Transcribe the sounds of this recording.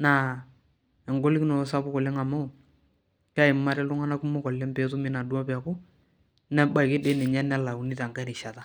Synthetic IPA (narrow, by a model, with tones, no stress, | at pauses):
na˨ | ɛ˨ŋɡo˦li˦knɔ˨˦sa˦bʊ˦kɔ˨le˦ŋa˨mo˦˨ | ka˦ɪ˨ma˦ɾɛ˦lʊ˦ŋa˦na˦ku˦mʊ˦kɔ˨le˦mpe˦tʊ˦mi˦na˨du˦a˦pa˨kʊ˦ | nɛ˦ba˨ɪ˨kɪ˦de˦nɪ˨ɲɛ˦nɛ˦la˨u˨ni˦ta˨ŋɡa˦ɾi˨ʃa˨ta˦